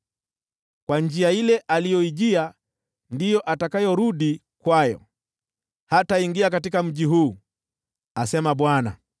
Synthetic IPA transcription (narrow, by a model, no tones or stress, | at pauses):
kwand͡ʒiailɛʔalijɔiʄia | ndijɔʔatakajɔɾuɗi | kwajɔ̰ | hataiŋɡiakatikam̩ʄiɦuː | asɛmaɓwana̰